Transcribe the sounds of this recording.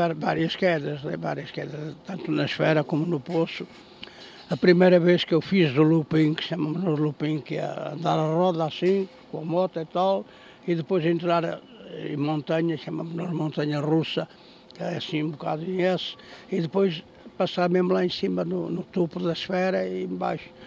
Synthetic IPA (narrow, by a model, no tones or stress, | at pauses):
ɛɾvaɾiɐʃkɛðɐʃnɛ̰va̰ɾiɐʃkɛðɐt̪ɐ̃nt̪unɐʃfɛɾɐkomunuposu | ɐpɾimejɾɐveʃkewfiʒðulˠupĩkʃɐmɐmuʒnuʒlˠupĩkɛ̰ɐ̰̃nd̪aɾɐrɔðasĩ | kõɐmɔt̪ɐit̪alˠ | iðɨpojzẽnt̪ɾaɾ | ḛ̃mõnt̪ɐɲɐʃɐmɐmunuɾmõnt̪ɐɲɐrʁusɐ | ɛsĩũbuka̰ðuẽesiðɨpojʃ | pɐsaɾmemulˠaẽsimɐnunut̪opuðɐʃfɛɾɐiẽba̰jʃu̥